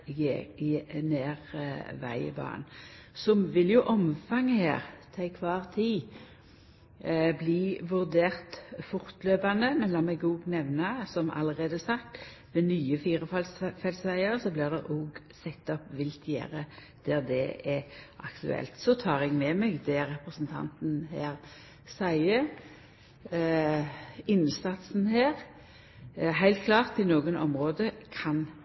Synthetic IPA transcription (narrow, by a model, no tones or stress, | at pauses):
ɡe | neːʁʋæ̰ɪə̰bɑ̰ːn | sɔmʋɪljʊʔɔmfɑŋːəhḛːʁt̪ʰæɪkʰʋɑːʁt̪ʰiː | bliːʋʉʁd̪eːʁt̪fʊʁt̪løːpɑnd̪əmɛnlɑːmɛɡoːɡnɛʋnɑsɔmɑ̰ləʁeːd̪əsɑkt̪ | ʋɛnyːəfiːʁəfɑlsfɛlsʋæɪəʁsɔblɪːʁd̪ɛʁʔoːɡ | sɛt̪ːɔpʋɪlt̪ʰjæ̰ːɾə | d̪̥æʁd̪ɛ̰ɛʔɑ̰kt̪ʉ̰ɛ̰lt̪sɔt̪ʰɑːʁɛɡmɛmɛɡd̪ɛɾʁɛpʁəsnt̪ʰɑ̰nt̪n̩heːɾ | sæɪə | ɪnsɑt̪sn̩ɦeːʁ | ɦæɪlt̪̚kʰlɑːʁt̪ɪnoːɡənʔɔ̰mʁoːd̪əkʰɑn